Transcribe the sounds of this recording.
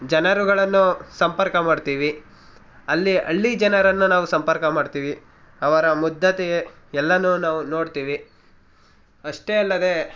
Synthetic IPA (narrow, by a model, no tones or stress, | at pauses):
d͡ʒɐnɐɾuɡɐɭɐnːusɐmpɐɾkɐmaːɖt̪iːʋi | ɐlːiʔɐ̰ɭːid͡ʒɐnɐɾɐnːunaːʋusɐmpɐɾkɐmaːɖt̪iːʋi | ɐʋɐɾɐmud̪ʱːɐt̪e | ɛlːɐnunaːʋuno̞ːɽt̪iːʋi | ɐʂʈeːɐlːɐd̪e̞